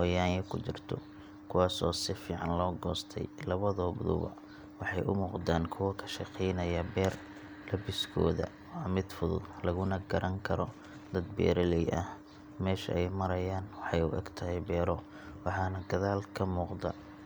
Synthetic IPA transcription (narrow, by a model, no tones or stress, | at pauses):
hɔːjaːŋjɐkʰʊt͡ʃɪrt̪ʰɔ̰ | kʰʊwɑːsɔːsɪfiːʕɑnlɔːɡɔːst̪ʰɛ̰jlɐβɐðɔbʊd̪ʊ̰βɐ̰ | wɑħɑjʔʊ̰muːqd̪aːnkʰʊwɐkʰɐ̥ʃɪqʰɛjnɐjɐbɛːr | lɐbɪskʰɔ̰ːðɐ̰ | wɑːmɪd̪fʊðʊ̰d̪lɐɣʊnɐɡɐɾʔɐŋkʰɐɾɔ | d̪ɐd̪̚bɛ̰ːɾɛlɛjʔɐh | mɛːʃɐɛjmɐɾɐjaːnwɑħɑjʊ̰ʔɛ̰ɡt̪ʰɐɦɛjbɛːɾɔ | wɑħɑːnɐɡɐðaːlkʰɐmuːqd̪ɐ̰